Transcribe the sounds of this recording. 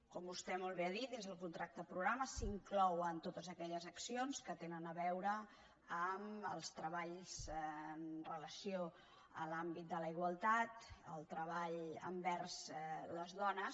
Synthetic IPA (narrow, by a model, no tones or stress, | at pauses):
kɔmbust̪ɛmolˠβeəðit̪̚d̪ezðəlˠkunt̪ɾak̚t̪əpɾuɣɾaməsiŋklɔwənt̪ot̪əzəkɛʎəzəksionskət̪enənəβɛwɾə | əməlˠst̪ɾəβaʎzənrələsio | ə̰lambit̪̚d̪ələiɣwəlˠt̪at̪əlˠt̪ɾəβ̞aʎə̰mbɛrzləzðɔnəs